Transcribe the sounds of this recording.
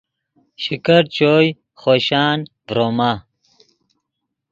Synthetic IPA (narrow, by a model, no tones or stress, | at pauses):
ɕikɐɾt͡ɕoːj | χoːɕaːnvɾoma